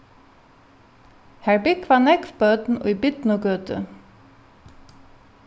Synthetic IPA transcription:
hæɹbɪkʋɑːnɛkfbœt̪n̩ʊ̰jbɪt̪nʊɡøːt̪ə̰

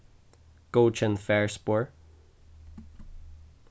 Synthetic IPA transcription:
kot͡ʃə̃nfɛɹspɔːɹ

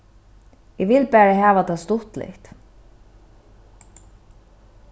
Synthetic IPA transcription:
ɛʋɪlpæːɹaɦæːʋat̪ʰast̪ʊht̪lɪ̰ht̪

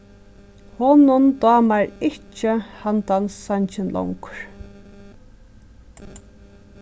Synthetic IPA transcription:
hɔnʊnt̪ɑːmaɾɪt͡ʃːəhant̪ansːaɲt͡ʃɪnlʔɔ̰ŋkɹ̥

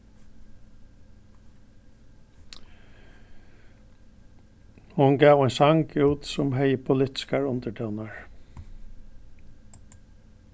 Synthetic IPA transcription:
hʊnɡæːwɛjnsaŋkuːt̪sʊmɦɛjəpʰʊlɪt̪ɪ̥skaɹʊnt̪əʈʰɛwnaɹ

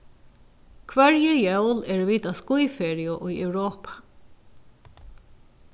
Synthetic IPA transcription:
kʰvɛɹjəjɛwlɛɹʋiːt̪askʊjfɛːɹiʊʔʊjɛwɹɔːpʰḁ

